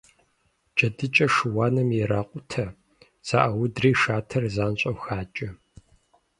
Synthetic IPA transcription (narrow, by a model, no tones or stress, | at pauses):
t͡ʃʼɐdɨt͡ʃʼɐʂɨwaːnɐmjɛɾaːqʷʼʊtʰɐ | z̥a̰ʔɐwʊdriːʃaːtʰɐrzaːnɕʼɐwxaːt͡ʃʼɐ